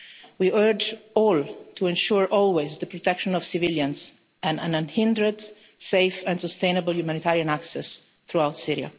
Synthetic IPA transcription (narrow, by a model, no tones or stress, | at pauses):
wiʔɜɹd͡ʒɔlt̪ʰuɛ̃nʃuɹʔɔlwezd̪əpɾɔt̪ɛkʃɔ̃nɔv̥sɪviljãns | ɛ̃nã̰nãnhɪ̃nd̪ɾəd̪ | seɪfɛ̃nsɔst̪ẽjnəbəljumanit̪aɾiãnaksɛs | θɾuawt̪siɾia̰